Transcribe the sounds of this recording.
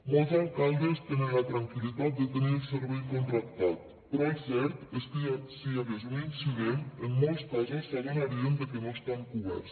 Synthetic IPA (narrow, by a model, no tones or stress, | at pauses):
molˠzaŋkalˠd̪əst̪enənlat̪ɾaŋkilit̪at̪̚d̪ət̪əniəlˠsəɾβɛjkont̪ɾak̚t̪at̪̚ | pəɾɔəsɛɾt̪əst̪isiaðəzuninsiɣemənmolˠspazəsːəɣenaɾiəmd̪əkənoəst̪aŋkuβɛ̰ɾs